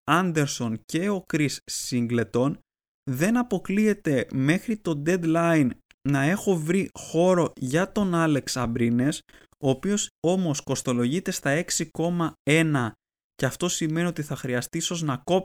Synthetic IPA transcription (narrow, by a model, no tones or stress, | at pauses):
ɐnd̪e̞ɾso̞nce̞o̞kɾisːiŋɡle̞t̪o̞n | ðe̞nɐpo̞klie̞t̪e̞me̞xɾit̪o̞d̪e̞d̪lɐinː | ɐe̞xo̞vɾixo̞ɾo̞ʝɐt̪o̞nɐle̞ksɐmbɾine̞s | o̞ːpio̞so̞mo̞sko̞st̪o̞lo̞ʝit̪e̞st̪ɐe̞ksiko̞mɐe̞nɐ | ce̞ɐft̪o̞sime̞nio̞t̪iθɐxɾiɐst̪iso̞znɐko̞p